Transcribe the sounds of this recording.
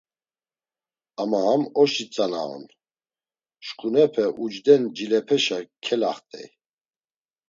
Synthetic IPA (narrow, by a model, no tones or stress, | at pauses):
amaɦamɔʃit͡sʼana̰ɔ̰n | ʃkʼunɛpʰɛʔud͡ʒd̪ɛnd͡ʒilɛpʰɛʃakʰɛlaχt̪ʼɛ̰j